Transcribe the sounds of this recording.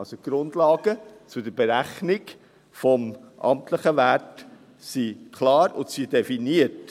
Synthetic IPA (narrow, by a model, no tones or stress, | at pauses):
soɡ̥ɾʊndlɑːɡ̥ət͡sʊdəɾbeɾæχnɪk | fɔmʔɑ̰mtləχəʋæɾt | sikʰlɑːɾʊ̰ntsidɛfiniət